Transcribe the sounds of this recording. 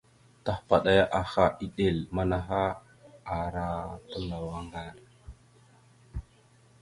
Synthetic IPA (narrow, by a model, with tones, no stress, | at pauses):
ta˦hpa˨ɗa˦ja˦ʔa˨xa˨i˦ɗe˨lma˦na˨ɦa˦ | a˨ɾa˦tə˦la˨wa˦ŋɡa˦˨ɾ